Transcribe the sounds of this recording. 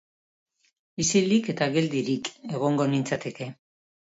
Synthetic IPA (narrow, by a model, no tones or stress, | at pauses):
isilike̞t̪aɣe̞ld̪iɾike̞ɣ̞o̞ŋɡo̞nint͡sat̪e̞ke̞